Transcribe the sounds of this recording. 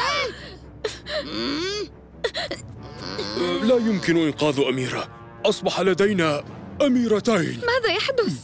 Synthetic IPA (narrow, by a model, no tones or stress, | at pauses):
laːjʊmkɪnʊʔɪnqɑːðʔamiːɾa̰ | ʔɑsˤbɑħalad̪ajnaʔamiːɾˤat̪ajnmaːðajaħd̪ʊθ